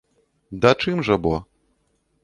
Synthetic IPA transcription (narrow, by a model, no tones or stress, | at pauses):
d̪ɐt͡ʂɨmʐɐbɔ